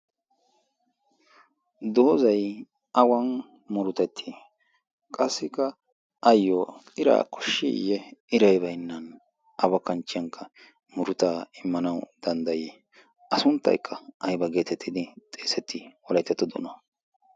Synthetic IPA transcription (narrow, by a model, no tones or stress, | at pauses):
d̪oːzɐj | ɐwɐn | mʊɾʊt̪ɛt̪ʰːɪ | kʼɐsːɪkɐ | ɐjːɔɪɾa̰ːkɔ̥ʃːḭjɛʔɪɾɐjbɐjnːɐn | ʔɐwɐkɐnt͡ʃːɪjɐŋkʰːɐ | mʊɾʊt̪aːɪmːɐnɐwd̪̥ɐnd̪ɐjɛ | ɐsʊnt̪ːɐ̰jkʰːɐɐjbɐɡe̞ːt̪ɛt̪ːɪd̪ɪt̪ʼeːsɛt̪ʰːɪwɔlɐjt̪ːɛt̪ːɔd̪ɔ̰nɐ